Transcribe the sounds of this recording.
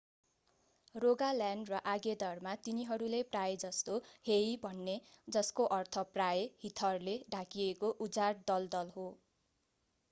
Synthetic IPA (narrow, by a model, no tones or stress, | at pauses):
roɡaljanɖrʌʔaɡed̪ʌrmat̪iniɦʌɾuleprajed͡zʌst̪ohejbʱʌnːed͡zʌskoʔʌrt̪ʰʌprajhit̪ʰʌrleɖʱakiekoʔud͡zard̪ʌld̪ʌlɦo